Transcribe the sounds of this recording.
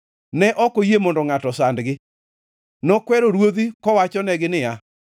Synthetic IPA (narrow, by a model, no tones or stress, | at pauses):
nɛʔɔkojemɔndɔŋatɔsandɡɪ | nɔkwɛɾoɾwod̪ikɔwat͡ʃɔnɛɡɪnɪja